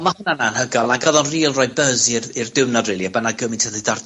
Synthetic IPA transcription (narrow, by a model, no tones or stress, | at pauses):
mahʊnanaənhəɡɔlˠaɡəðɔnriːlˠrɔjbəzirirdɪwnavrɪlˠiabənaɡəmɪntʰəðɨdard